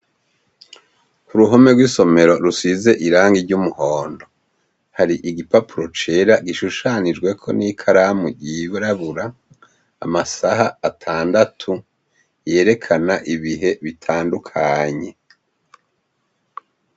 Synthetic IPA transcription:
kuɾuɦo̞me̞ɡwiːso̞me̞ɾo̞ɾusize̞ʔiɾaːŋɡiɾɟumuhoːndo̞ | haɾiʔiɡipapuɾo̞t͡ʃeɾaɡiʃuʃanid͡ʒɡwe̞kʰo̞̰nikʰaɾamuɟiβɾaβuɾa̰ː | masaɦaːtʰaːndatʰu | je̞ːɾe̞kʰanaʔiβiɦe̞βitʰaːndukʰaɲe̞

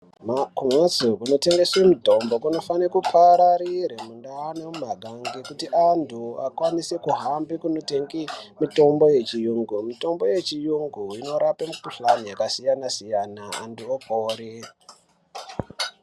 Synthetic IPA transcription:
makumazukuno̞te̞ŋɡeswemidʱo̞mbo̞kuno̞fanekupʰaɾaɾiɾemundanemumaɡʱaŋɡekutiʔantʰua̰kwanise̞kuɦambikuno̞teŋɡimito̞mbo̞je̞t͡ʃijuŋɡumito̞mbo̞je̞t͡ʃijuŋɡuino̞ɾapemukuɬanijakasijanasijanaa̰ntuokʰoːɾi

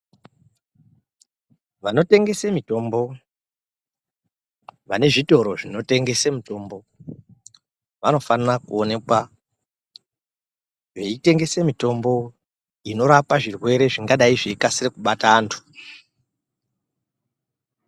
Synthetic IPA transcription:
ʋano̞te̞ŋɡe̞semito̞mbo̞ | ʋane̞ʐito̞ɾo̞ʐino̞te̞ŋɡe̞semuto̞mbo̞ | ʋano̞fanrakuone̞kwa | ʐeite̞ŋɡe̞semito̞mbo̞ | ino̞ɾapaʐirwe̞ɾe̞ʐiŋɡaɗaiʐeikasirekuɓataːntʰu̥

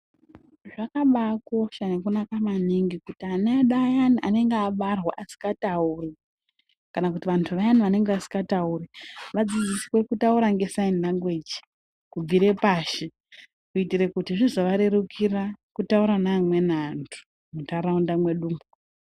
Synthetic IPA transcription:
ʐakaɓako̞ʃanekunakamaniŋɡikutianeaɗajaniʔane̞ŋɡeaɓarwaʔasi̥katauri | kanakutiʋantʰuʋajaniʋane̞ŋɡeʋasi̥kɡatauriʋad͡zid͡zisi̥we̞kutauɾaŋɡe̞saindaŋɡwed͡ʒi̥ | kub͡viɾe̞paːʃi | kuitiɾekutiʐizoʋaɾe̞ɾukʰirakutauɾanaːmwe̞nantʰu̥ | mutaɾaundamwe̞ɗuːmu

